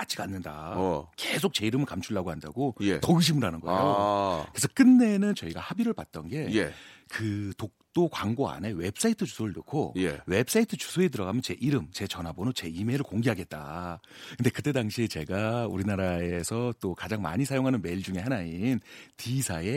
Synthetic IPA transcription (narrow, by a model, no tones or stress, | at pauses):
at͡ɕ͈ʰiɡanːɯnda̰ke̞sʰok̚t͡ɕe̞iɾɯmɯɭkamt͡ɕʰuɭːaɡohanda̰ɡojetʌɯɕ̬ʰimɯɾɦanɯnɡʌḛjokɯɾesʰʌk͈ɯnːe̞nɯnt͡ɕʌiɡahabiɾɯɭpat̚t͈ʌnɡe̞jkɯtok̚t͈okwaŋɡoa̰ne̞we̞bs͈aitʰɯt͡ɕu̥sʰoɾɯɭnɯkʰojewe̞bs͈aitʰɯt͡ɕu̥sʰoet̬ɯɾʌɡamjʌnt͡ɕe̞ʔiɾɯmt͡ɕe̞t͡ɕʌnɦabonot͡ɕe̞imeɾɯɭkoŋɡiɦaɡet̚t͈a̰ | kʰɯnde̞kɯt͈e̞daŋɕʰit͡ɕe̞ɡauɾinaɾaesʰʌt͈okad͡ʑaŋma̰ɲisʰajoŋɦanɯnme̞iɭd͡ʑuŋe̞hanaintisʰae̞